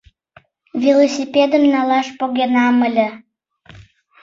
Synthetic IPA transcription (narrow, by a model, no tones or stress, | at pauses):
vʲilˠosʲipʲed̪ə̆mnʲɑlɑʃpoɣenɑməlʲə̆